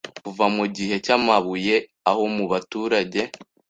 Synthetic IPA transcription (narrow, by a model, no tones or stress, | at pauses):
kuvamuɟihe̞camaβuje̞ | aho̞muβatuːɾaɟe̞